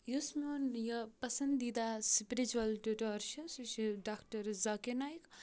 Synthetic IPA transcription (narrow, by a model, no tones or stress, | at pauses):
jusmonjɐpɐsɐnd̪id̪aspiɾit͡ʃuɐlɖiʈoɾʃɐnsuʃiɖakʈɐɾzakinajk